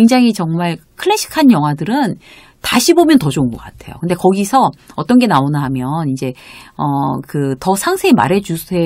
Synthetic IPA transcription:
kweŋd͡ʑaŋɦit͡ɕʌŋmaɭkʰɯɭːeɕʰi̥kʰanjʌŋɦwadɯɾɯn | taɕʰibomjʌntʌd͡ʑouŋɡʌk͈atʰe̞̰jo̰kɯnde̞kʌɡisʰʌʌt͈ʌnɡe̞naonnɦamjʌnind͡ʑe̞ʌkɯtʌsʰaŋsʰeima̰ɾɦe̞d͡ʑusʰe

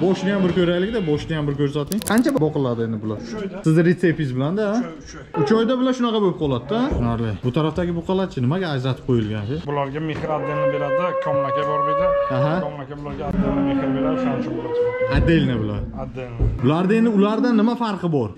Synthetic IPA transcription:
bɒʃnɪjambɪɾkʲʰɵɾajlɪk̚ʲd̪abɒʃnɪjambɪɾkʲʰɵɾsat̪ʰɪŋqʰɑnt͡ʃʰabbɒqɨlˠaɾd̪ɪe̞nd̪ɪbʊlaɾsɪzɾet̪sepizbɪland̪aa | ʊt͡ʃʰɒjd̪abɪlaɾʃʊnɑqʰɑboɪp̚qʰɒlˠad̪ːaʃʊnaɾlɪbʊt̪ʰaɾaft̪aɡʲɪboqʰɨlˠat͡ʃʰɪnɪmaɡʲaːd͡ʒɾat̪ʰɪ̥p̚qʰojɪlˠɡʲand͡ʒɪbʊlaɾɡʲamehɾad̪ːelnɪbeɾad̪ɪkʰɒmnakʲabɒɾd̪ed̪ʲɪaɦamnakʲʰabʊlaɾɡʲaːdelnɪmehɾbeɾad̪ɪqʰant͡ʃʰabolˠaad̪ːe̞lʲnɪbʊla̰dad̪ːebʊlaɾd̪ɪe̞nd̪ɪʊlaɾd̪anːɪmafaɾqɨbɒɾ

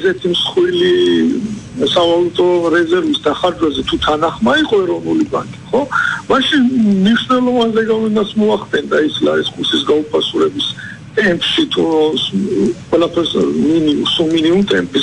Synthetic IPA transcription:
ɛsɛt̪ʰimsχwili | savalˠut̪ʼɔɾɛzɛɾvisd̪aχaɾd͡ʒwɛzɛt̪ʰut̪ʰanaχmaiqʼɔɛɾɔnuliba̰ŋkʼiχɔmaʃinmniʃnɛlˠɔvanzɛɡavinat̪sʰmɔaχd̪ɛnd̪aisla̰ɾiskʰʼuɾsisɡaupʰasuɾɛbis | t̪ʼɛmpʰʼʃit̪ʰu | qʼwɛlˠapʰɛɾsminiusuminiumt̪ʼɛmpʰʼis

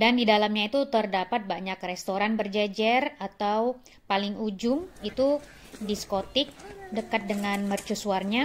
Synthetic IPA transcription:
dandidalamɲait̪ut̪ərdapat̪̚baɲakrest̪oɾanbərd͡ʒɛd͡ʒɛrat̪aw | palɪŋud͡ʒʊŋit̪u | diskot̪ɪk̚dəkat̪̚dəŋanmərt͡ʃusuarɲa

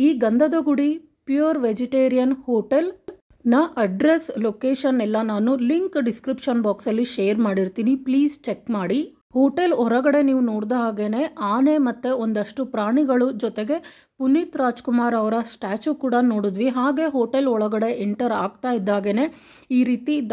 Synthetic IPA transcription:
iːɡɐnd̪ʱɐd̪oɡuɽi | pjuɾʋed͡ʒiʈeːɾijɐnhoːʈel | nɐʔɐɖɾeslokeːʂɐnɛlːɐnaːnuliŋkɖiskɾipʂɐnbaːksɐlːiʃeːɐɾmaːɽiɾt̪iːnipliːst͡ʃekmaːɽi | hoːʈelɔɾɐɡɐɽe̞niːʋunoːɽd̪ɦaːɡe̞ne̞ʔaːne̞mɐt̪ːeond̪ɐʂʈupɾaːɳiɡɐɭud͡ʒɔt̪eɡe̞ | punit̪ɾaːd͡ʒkumaːɾɐʋɐɾɐsʈaːt͡ʃukuːɽɐnoːɽud̪ʋiɦaːɡe̞ɦoːʈelɔɭɐɡɐɽe̞ʔeɳʈɐɾaːɡ̚t̪aːjid̪ːaːɡe̞ne̞ː | iːɾiːt̪id̪

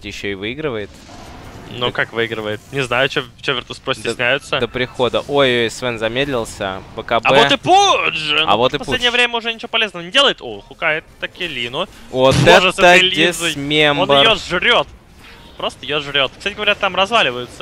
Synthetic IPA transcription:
jɪɕːoɪvɨiɡɾɨvəjɪt̪ | nukakvɨiɡɾəvəjɪt̪̚nʲɪznajʊt͡ɕeft͡ɕevʲɪrt̪əspɾosdʲt̪ʲsʲnʲæjʊt̪səd̪əpɾʲɪxo̞d̪əʔojojsvɛnzɐmʲed̪lʲɪlˠsʲə̰bəkɐbɐɛvot̪ɨpud̪ʐɨɐ̰vo̞t̪ɨpɐsuledʲnjəvɾʲemʲəʊʐɛnʲɪt͡ɕɪvopɐlʲeznəvənʲɪdʲe̞lˠəjɪt̪oxʊkajɪt̪ːɐkʲɪlʲinʊvot̪ɛʐət̪ːəlʲeszmʲemnbəjoʐɾʲot̪ | pɾost̪əjoʐɾʲot̪kst̪atʲɪɡəvɐɾʲat̪amrɐzvalʲɪvəjʊt̪sə̥

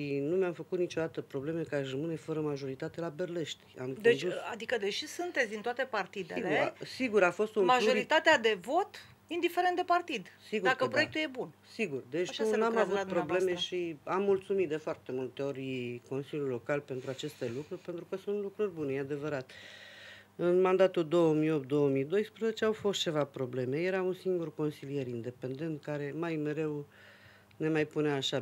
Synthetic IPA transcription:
inumeamfəkut̪nit͡ʃo̞d̪at̪əpɾo̞ble̞me̞kəaʃrəmɨne̞fəɾəmaʒo̞ɾit̪at̪elabe̞rle̞ʃt̪i̥a̰mkd̪oend̪usad̪ikəd̪e̞ʃisunt̪et̪sʲd̪int̪oat̪e̞part̪id̪e̞leesiɡuɾafo̞st̪unmaʒoit̪at̪ead̪e̞vo̞t̪ | ind̪ifeɾent̪d̪epart̪id̪siɡud̪akəpɾojekt̪uje̞bunsiɡurd̪e̞t͡ʃ̪unamavupɾo̞ble̞meʃiamːult̪sumit̪d̪e̞foart̪e̞mult̪e̞o̞ɾʲiko̞nsilʲjulːo̞kalpe̞nt̪ɾuat͡ʃe̞st̪e̞lukɾurʲpe̞nt̪ɾukəsunt̪lukɾurʲbune̞jead̪e̞vəɾat̪ | ɨnmand̪at̪uld̪o̞wəmio̞p̚t̪̚d̪o̞wəmid̪o̞jspɾəzet͡ʃe̞awfost̪t͡ʃe̞vapɾo̞ble̞me̞je̞ɾaunsiŋɡurko̞nsilije̞ɾind̪e̞pe̞nd̪e̞nt̪̚kaɾe̞majme̞ɾe̞w | ne̞majpuneaːʃa

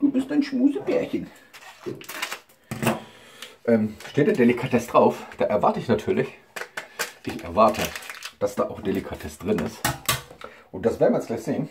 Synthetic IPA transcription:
d̥uːbɪstaɪnʃmuːzəbɛːɐçən | ʔɛːmʃteːtd̥eːɐdelikʰatʰɛsd̥ʁaʊfd̥aːʔɛɐvaɐtəɪçnatʰyːɐlɪç | ʔɪçʔɛ̰ɐvaɐtʰəd̥asd̥a̰ːʔaʊxd̥elikʰatʰɛstd̥ʁɪnɪ̰st | ʔʊnt̚d̥asveːɐnvɪjɛt͡ssɡ̥laɪçz̥eːən

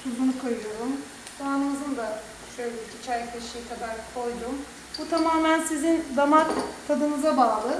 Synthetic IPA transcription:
t̪ʰub̪unukʰajɯjo̞ɾum | t̪ʰaanɯzɯnd̪a | ʃøjlʲeicit͡ʃʰæɾcʲlʲeʃijt̪ʰab̪aɾkʰo̞jd̪um | but̪ʰamaːmænsizind̪amak̪t̪ʰad̪ɯnɯzabaːlˠɯ

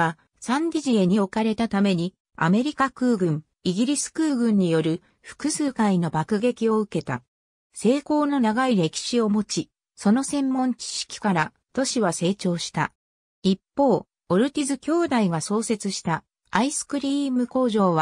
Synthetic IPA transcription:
a | sãnd̪ʲiʑieɲ̟io̞kaɾe̞t̪at̪ame̞ɲ̟i | a̰me̞ɾʲikakɯ̟ːɡɯ̟̃ŋ | iɡʲiɾʲisɨ̥kɯːɡɯ̟̃ɲ̟ːijo̞ɾɯ̟ | ɸɯ̟̥kɯ̟sɨːkaino̞bakɯ̟ɡe̞kʲio̞ɯ̟ke̞t̪a̰ | se̞ːko̞ːno̞naɡaiɾe̞kʲi̥ɕio̞mo̞t͡ɕi | so̞no̞sẽ̞mːõ̞ɲ̟t͡ɕi̥ɕi̥kʲi̥kaɾa | t̪o̞ɕiβase̞ːt͡ɕo̞ːɕi̥t̪a | ipːo̞ː | oɾɯ̟t̪ʲizɨkʲo̞ːd̪aiɡaso̞ːse̞t͡sɨɕi̥t̪aː | isɨ̥kɯ̟ɾʲimɯ̟ko̞ːʑo̞ːβa

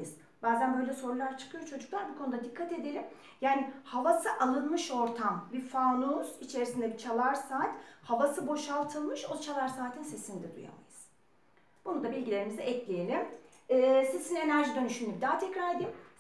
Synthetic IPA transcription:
ɯz̥ | baːzænbø̞jlʲɛso̞ɾulˠaɾt͡ʃʰɯ̥kʰɯjo̞ɾt͡ʃʰo̞d͡ʒuklˠaɾbukʰo̞nud̪ad̪ikʰːat̪e̞d̪e̞ɾʲim | jaːnihavasɯʔalˠɯnmɯʃo̞ɾt̪ʰambifaːnuːz̥it͡ʃʰe̞ɾisind̪ɛbit͡ʃʰalˠaɾsaːt̪ʲhavasɯbo̞ʃalˠt̪ʰɯlˠmɯʃo̞t͡ʃʰalˠaɾsaːt̪ʰinse̞sinid̪ɛd̪ṵja̰ma̰jɯz̥ | b̥unund̪abilʲɟʲilʲe̞ɾimizɛʔɛclʲejelʲimː | se̞sine̞næɾʒid̪ø̞nyʃyim̚d̪aːt̪ʰɛcɾaɾed̪im

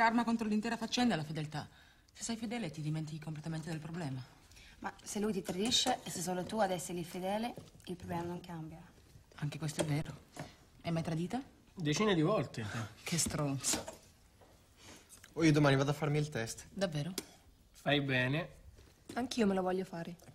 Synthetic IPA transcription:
karmakont̪ɾolint̪ɛːɾafat͡ʃːɛnd̪aɛlafed̪elt̪a | se̥sːɛjfed̪ɛːlet̪id̪iment̪̬ikikomplet̪ament̪ed̪elpɾoblɛːma | maselːujt̪it̪ɾad̪iʃːeesːes̬ːoːlot̪uad̪ɛsːeɾlifed̪ɛːleilpɾoblɛːmanoŋkambja | aŋk̟ekwest̪oɛvːeːɾo | emːajt̪ɾad̪iːt̪a | d̪et͡ʃiːned̪ivɔlt̪ekʰest̪ɾont̪so̥ | oiːod̪omaːnivaːd̪afːaɾmiːlt̪ɛst̪d̪avːeːɾo | fajbɛːne | aŋk̟iːomelovɔʎːofaːɾe

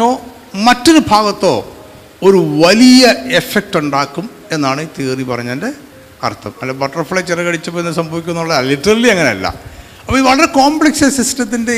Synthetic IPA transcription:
oː | mɐtːo̞ɾubʱaːɣɐt̪ːo̞̰ː | oɾuʋɐlijɐe̞fek̚ʈuɳɖaːkːum | e̞nːaːɳɨit̪iːripɐrɐɲːɐnde | ɐ̰rt̪ʰɐmɐlːɐbɐʈːroːfiɭet͡ɕirɐɣɐɽit͡ɕːɐpːoenːsɐmbʱɐʋikʲːunːuɭːɐðliʈːɐriliɐŋːɐneɐlːɐ̰ | ɐpːoiʋɐɭɐɾe̞koːmbɭeksɐsistɐt̪̬ːinde̞

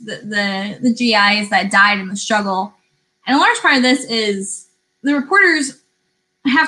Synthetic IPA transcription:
ðɨðɨðɨd͡ʒiaɪɨzðɨd̥aɪɾɨ̃n̩ðɨstɹ̥ʌɡl̩ˠ | ʔɨ̃nəlɑɹd͡ʒʒ̥pʰɑɹɾʌvðɪsɪz | ðɨɹɨpʰɔɹɾə˞z̥ | ɦæ

